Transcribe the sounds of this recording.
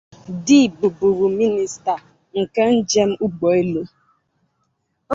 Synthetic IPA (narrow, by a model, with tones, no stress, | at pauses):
di˦˨bu˨bu˨wu˨mi˦ni˨sta˨ | ŋ̩˨ke˦n̩˦d͡ʒe˦m̩˦u˦ɡ͡bɔ˨e˦lo˦